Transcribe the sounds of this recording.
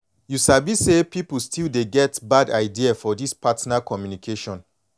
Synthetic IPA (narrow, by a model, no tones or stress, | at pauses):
jusabisepiplstʰildeɡɛtbadaɪdiafɔdispʰatnakʰɔmjunikʰeʃɔ̃n